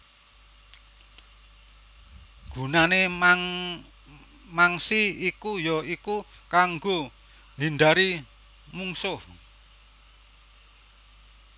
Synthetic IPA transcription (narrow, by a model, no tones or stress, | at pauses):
ɡ̥ṳnane | maŋsiːkujɔiku | kaŋɡo | ɦindaɾi | muŋsʊh